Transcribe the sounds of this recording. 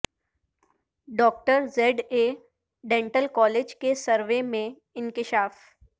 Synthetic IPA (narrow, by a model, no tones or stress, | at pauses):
ɖɔːk̚ʈəɾzeɖe | ɖẽːɳʈəlkɔːleːd͡ʒkesəɾʋemẽ | ɪnkɪʃaːf